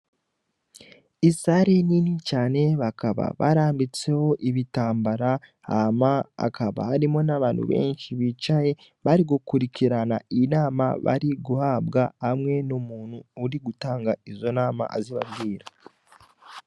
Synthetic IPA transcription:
isaɾeninicaːne̞βakaβa̰βa̰ɾaːmbit͡se̞ho̞ʔiβitaːmbaɾa | amaa̰kʰaβa̰haɾimo̞naβaːn̤̥hṵβe̞̰ːnʃiβit͡ʃaje̞ | βaɾiɡukuɾiciɾana̰inaːma̰βa̰ɾiɡuhabɡahamŋe̞nomuːn̥huːɾiɡutaːŋɡaizo̞naːma̰ʔa̰ziβabɡiːɾa

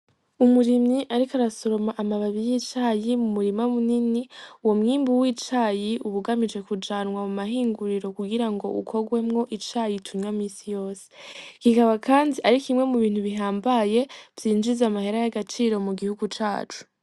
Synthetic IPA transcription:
umuɾimɲiʔaɾikaɾasoɾo̞maʔamaβaβijit͡ʃaːjimumuɾimamuniniuwo̞mŋiːmbuwiːt͡ʃajiʔuβuɡamid͡ʒe̞kud͡ʒaːnŋwamumaɦiːŋɡuɾiɾo̞kuɡiɾaŋɡo̞̰ʔṵkʰo̞ɡwe̞mŋo̞ʔit͡ʃajitʰuɲwamiːsijo̞ːse̥kikaβakʰaːndiʔaɾikimŋe̞muβiːn̥huβiɦaːmbaje̞v̥jiːnd͡ʒizamahe̞ɾajaɡat͡ʃiːɾo̞muɡihuɡut͡ʃa̰ːt͡ʃu̥

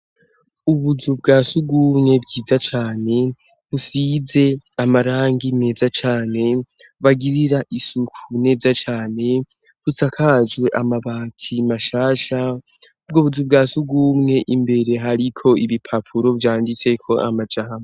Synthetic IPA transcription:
uβuzub̚ɡaːsuɡumŋe̞bɡiːzat͡ʃaːne̞ | βusize̞amaɾaːŋɡine̞ːzat͡ʃaːne̞ | βaɡiɾiɾaʔisukʰune̞ːzat͡ʃaːne̞ | βusakʰad͡ʒwe̞ʔamaβaːtʰimaʃaːʃa | b̚ɡoβuzubɡaːsuɡuːmŋe̞ʔimbe̞ɾe̞ɦaɾikʰo̞iβipʰapʰuɾo̞vjaːndit͡se̞kʰo̞ʔa̰mad͡ʒahame

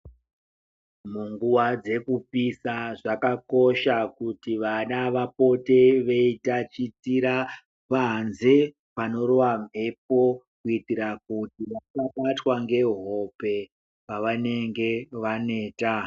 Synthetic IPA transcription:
muŋɡuwad͡ze̞kupisaʐakako̞ʃakutiʋanaʋapo̞te̞ʋe̞itat͡ʃitiɾa | panze̞ | pano̞ro̞wam̤ʱep̚o̞ | kuitiɾakutiʋakaɓatwaŋɡe̞ɦo̞pe̞ | paʋane̞ŋɡe̞ʋane̞ːta

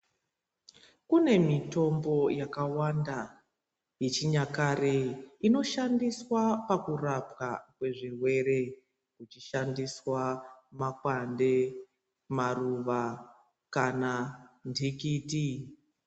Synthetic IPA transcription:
kune̞mito̞mbo̞jakawanda | jet͡ʃiɲakareino̞ʃandiswapakurapkakwe̞ʐirwe̞ɾe̞ | kut͡ʃiʃandiswamakwande̞ | maruʋa | kanandikiːti

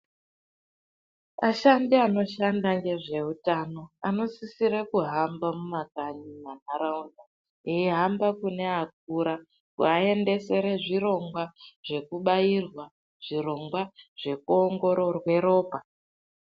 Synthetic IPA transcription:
aʃandiano̞ʃandaŋɡe̞ʐe̞utano̞ano̞sisiɾekuɦambamumakaɲiman̤aɾaunda | eiɦambakune̞ak̚uɾa | kṵae̞nde̞se̞ɾe̞ʐiro̞ŋɡwaʐ̥e̞kuɓairwa | ʐ̥iɾo̞ŋɡwaʐ̥e̞kuoŋɡo̞ɾo̞rwe̞ɾo̞ːpa

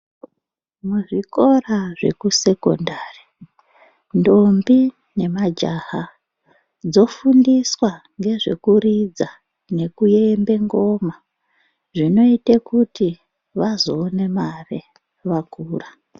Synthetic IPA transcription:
muʐiko̞raʐe̞̰kuse̞ko̞̰ndari | ndo̞mbi | ne̞mad͡ʒaha | d͡zo̞fundiswaŋɡe̞ʐe̞̰kurid͡za | ne̞kuje̞mbe̞ŋɡo̞ma | ʐino̞itekuti | ʋazoːne̞mare | ʋakuːra

